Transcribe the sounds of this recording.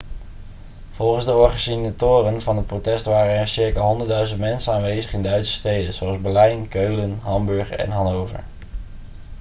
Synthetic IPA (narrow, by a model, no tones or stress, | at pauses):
v̥ɔlˠχənzdəʊːɹχəsinatʊːrənvɑnɦət̚protɛstʋaːrənɛɹsɪɹkaːɦɔndəɹdœɥzəntmɛnsənaːnʋejzəχɪndœɥtsə̥stejdənzowɑlˠzbɛlɛjnkøɥlənɦɑmbɵɹχɛ̰nɦɑnowvə̰ɹ